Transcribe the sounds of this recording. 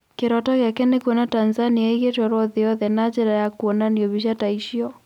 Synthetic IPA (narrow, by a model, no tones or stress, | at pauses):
keɾɔtɔkakɛnekuɔnatanzaniaiɣetwaɾɔðiɔðɛnat͡ʃɛɾajakuɔnaniɔβiʃ̬ataiʃiɔ